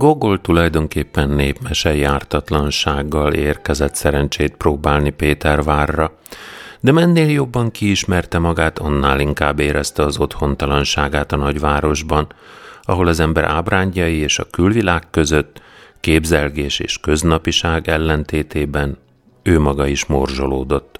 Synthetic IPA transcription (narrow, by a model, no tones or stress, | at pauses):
ɡo̞ɡo̞lt̪ulɒjd̪o̞ŋkeːpːɛnːeːpmɛʃɛjaːrt̪ɒt̪lɒnʃaːɡːɒleːrkɛzɛt̪sɛɾɛnt͡ʃeːt̪̚proːbaːlnipeːt̪ɛrvaːrːɒ | d̪ɛmɛnːeːljo̞bːɒŋkiiʃmɛrt̪ɛmɒɡaːt̪ɒnːaːliŋkaːbːeːɾɛst̪ɛɒzo̞t̪ho̞nt̪ɒlɒnʃaːɡaːt̪ɒnɒɟʋaːɾo̞ʒbɒnɒɦo̞lɒzɛmbɛɾʔa̰ːbraːɲɟɒjieːʃɒkylvilaːkːø̞zø̞t̪ːkeːbzɛlɡeːʃḛːʃkø̞znɒpiʃaːɡɛlːɛnt̪eːt̪eːbɛn | øːmɒɡɒiʃmo̞rʒo̞loːd̪o̞t̪ː